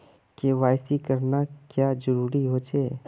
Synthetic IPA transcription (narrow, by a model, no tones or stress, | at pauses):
keʋaːjsikəɾnakjaːd͡ʒəɾuːɾiɦoːt͡ʃeː